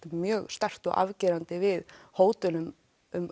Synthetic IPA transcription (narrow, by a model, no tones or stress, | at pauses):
ʏmmjœːɣst̪ar̥t̪ɔ̰ɣa̰vcɪːɾant̪ɪvɪðhoːwt̪ʏlʏm | ʏm